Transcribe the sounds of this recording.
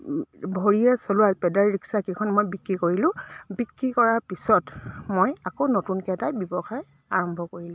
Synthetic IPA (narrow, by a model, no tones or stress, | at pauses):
bʱoɹiɛsolʊaɹpɛdaɹɹiksakekʰɔnmojbikːɹikoɹilʊ̃bikɹikɔɹaɹpisɔtmojakonotunkɛtajbjɔbɔxaj | aɹɔmbʱɔkoɹilʊ̃